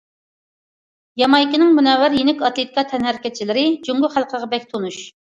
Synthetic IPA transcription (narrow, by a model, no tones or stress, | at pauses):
jɑmɑjkʲinɪŋmunɛwæɾjenɪkʲɑt̪lˠet̪ʰi̥kɑt̪ʰɛnhɛɾɪkʲɛt̪̚t͡ʃʰilɪɾɪd͡ʒyŋɡʊχælˠqʰəʁɑbɛkʲt̪ʰonuʃ